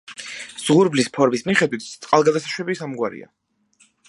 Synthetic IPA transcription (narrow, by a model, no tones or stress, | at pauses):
z̥ʁuɾblispʰɔɾmismiχɛd̪wit̪ʰt̪sʼqʼalˠɡad̪asaʃwɛbisamɡwaɾḭa̰